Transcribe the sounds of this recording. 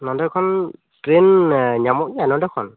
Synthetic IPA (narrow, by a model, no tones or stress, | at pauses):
nɔndɔkʰɔn | tɾenɲamɔk̚ɲianɔndɔkʰɔn